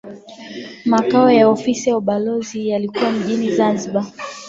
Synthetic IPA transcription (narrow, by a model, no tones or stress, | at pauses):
makaɔjaɔfisiauɓalɔzijalikuwam̩ʄinizanziɓa